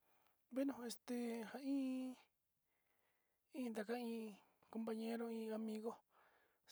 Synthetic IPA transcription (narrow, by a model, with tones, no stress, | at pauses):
βe˦nũ˧he˧st̪e˧ha˧ĩː˦ | ĩː˦˧d̪a˨ka˦ĩː˧ | ko˧mpa˧ɲẽ˦ɾo˦ĩː˧a˧mĩ˧ɣo˦